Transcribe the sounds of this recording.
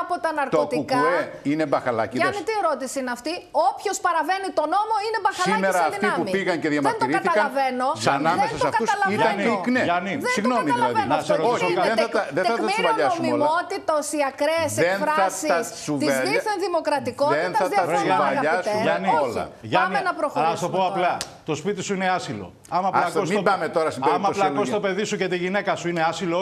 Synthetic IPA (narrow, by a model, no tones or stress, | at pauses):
pot̪ɐnɐɾkt̪ook̪iukɐeine̞bɐxɐlɐ̰ciɐniieɾot̪isinɐft̪iopço̞spɐɾɐve̞nit̪o̞no̞mo̞inebɐxsɐlimesɐðit̪iɐpumipiɣɐnceðʝɐmɐɾnt̪iɾiɐθiɐlkɐɐveno̞ɐnɐmðensɐsɐfɡɐusɐlɐit̪ɐ̃iknenðesiɣno̞ɐmiɐðlilɐðvnoçiðenθɐt̪ɐðenɐɐsvɐʎɐomilmot̪it̪osiɐkɾeeseenfɾɐɐsiɐssut̪ieziθɐnðimokɾɐt̪ikoenɐɐɐɐɾeɐvɐniʎɐsuʝɐniolɐ̰ʝɐnienɐpɾoxlɐst̪opoɐplɐ | t̪o̞spit̪isuine̞ɐsilo̞̰ | ɐmɐːllɐkosmiobɐmet̪o̞ɾɐsiemɐplɐkost̪ope̞ðisuce̞t̪iʝine̞kɐsuineɐsilo